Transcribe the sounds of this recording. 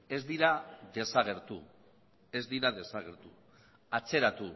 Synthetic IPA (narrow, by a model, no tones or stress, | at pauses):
e̞zd̪iɾaðe̞saɣ̞e̞ɾt̪u | e̞zd̪iɾaðe̞saɣ̞e̞ɾt̪u | at͡se̞ɾat̪u